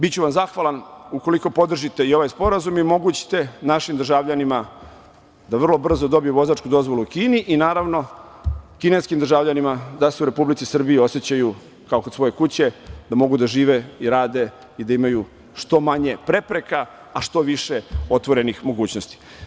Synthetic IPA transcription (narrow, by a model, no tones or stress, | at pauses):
bit͡ɕuʋamzaxʋalanuko̞liko̞po̞d̪r̩ʒit̪e̞io̞ʋajspo̞ɾazumimo̞ɡut͡ɕi̥t̪e̞naʃimd̪r̩ʒaʋʎanima | d̪aʋr̩lˠo̞br̩zo̞d̪o̞bijuʋo̞zat͡ʃkud̪o̞zʋo̞luukiːniʔinaːɾaʋno̞ | kine̞skimd̪r̩ʒaːʋʎanimad̪ase̞uɾe̞publit̪isr̩biio̞set͡ɕaju | kaokosʋo̞je̞kut͡ɕe̞d̪amo̞ɡud̪aʒiːʋe̞iɾaːd̪e̞ | id̪aimaju | ʃt̪o̞maɲe̞pɾe̞pɾe̞kaː | ʃt̪o̞ʋiʃeo̞t̪ʋo̞ɾe̞nixmo̞ɡuːt͡ɕnost̪i̥